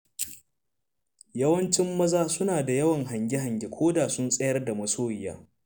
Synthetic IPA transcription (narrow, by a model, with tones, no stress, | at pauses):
jɐ˦wɐ˦nt͡ʃɪ˦mːɐ˦zaː˦sʊ˦naː˨da˨jɐ˦wɐ˨ŋɦa˨ŋɡʲɪ˦ɦa˨ɲɡʲe˨kʷʰoː˦daː˨sʊ˦nsʼɐ˦jɐ˦rda˨mɐ˨soː˦jja̰ː˦